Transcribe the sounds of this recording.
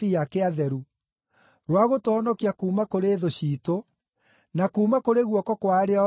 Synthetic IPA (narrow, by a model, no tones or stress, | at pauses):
ijakeaðɛɾu | ɾwaɣotoɔnɔkiakuːmakoɾeːðoɕiːto | nakuːmakoɾeɣwɔkɔkwaɾea